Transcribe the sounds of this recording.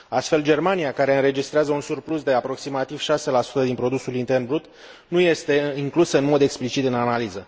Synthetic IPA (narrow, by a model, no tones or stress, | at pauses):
ast̪fe̞ld͡ʒe̞rmanijakaɾe̞ɨnɾe̞d͡ʒist̪ɾeazəunsurpluzd̪e̞apɾo̞ksimat̪iv̥ʃase̞lasu̥t̪əd̪inpɾo̞d̪usulint̪e̞rnbɾut̪ | nuje̞st̪e̞iŋklusəɨnmo̞d̪e̞ksplit͡ʃit̪ɨnanalizə